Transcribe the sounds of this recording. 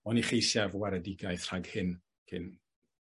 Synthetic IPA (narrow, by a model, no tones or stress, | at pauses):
ɔniχejsɛvwɛɾədɪɡajθr̥aɡhɪn | kʰɪn